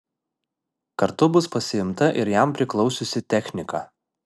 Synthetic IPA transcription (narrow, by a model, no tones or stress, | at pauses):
kɐɾt̪ʊbʊspɐsʲɪɪmt̪ɐʔɪɾjæˑmpʲɾʲɪklˠɒʊsʲʊsʲɪt̪ʲɛxʲnʲɪkɑː